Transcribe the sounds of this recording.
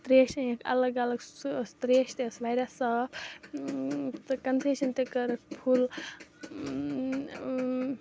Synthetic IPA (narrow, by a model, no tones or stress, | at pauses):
t̪ɾeʃekʰɐ̰ləɡɐləɡst̪ɾeʃt̪esʋajɾasəb | t̪ɨkɐnseʃɐnt̪ekəɾkpʰul